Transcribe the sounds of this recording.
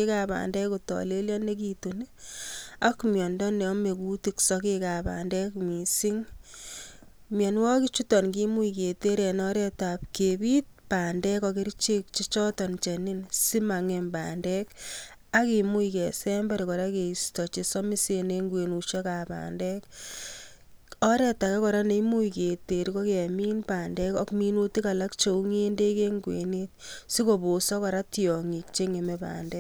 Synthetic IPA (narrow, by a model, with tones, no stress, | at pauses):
e˦ka˨pa̰ː˨ndɛ˦kutɔ̰˨le˦ljɔ˦ne˦ki˨tu˨n | a˦kmjɔ˨ndɔ˦nɛ˨ɔ˦me˨ku˦tiksɔ˦keka˨pa̰ː˨ndɛ˦kmi˨si˦ŋ | mje˨nwɔ˦ki˦t͡ʃu˦tɔ˨nki˦mu˦i˨ke˨te˦ɾe˨nɔ˦ɾe˦ta˨p̚ke˨bi˦t̚pa˨ndɛ˦kɔ˧ki˦ɾt͡ʃe˦k̚t͡ʃi˦t͡ʃɔ˦tɔ˨nt͡ʃe˨ni˦nsi˦ma˨ŋe˨mba̰ndɛ˦k | a˦ki˨mu˦ike˨sɛmbɛ˦ɾikɔ˨ɾa˦ke˨i˨stɔ˨t͡ʃe˦sɔ˦mi˦sene˦ŋɡwe˨nuʃe˦ka˨pa̰ː˨ndɛ˦k | ɔ˦ɾɛ˦ta˨ke˦kɔ˨ɾa˦ne˨i˦mu˦ike˨te˨ɾiko˦kea˨mi˦npaː˨ndɛ˦kɔ˦kmi˦nu˦ti˦ka˨la˦k̚t͡ʃo˨u˦ŋe˦nde˦ke˦ŋɡwḛ˨net̚si˦ko˦bo˨sɔ˦kɔɾa˦tjɔ˨ŋi˨k̚t͡ʃe˦ŋe˨mepa̰ː˨ndɛ˦k